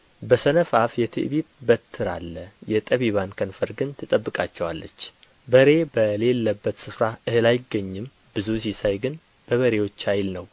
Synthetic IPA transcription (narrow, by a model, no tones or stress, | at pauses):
bəsənəfafjɛt̪ʰɨ̰ʔβiβbət̪ʰːɨɾa̰lːəjɛt̪ʼəβiβankʰənfəɾɡɨnt̪ʰɨt̪ʼəbːɨkʼat͡ʃːɛwalːə̰t͡ʃː | bəɾe̞bəle̞lːəbːət̪sɨfɾaʔɨhɨlajɪɡːəɲːɨm | b̥ɨzusisajɡɨn | b̥əβəɾe̞wo̞t͡ʃːhajlnəw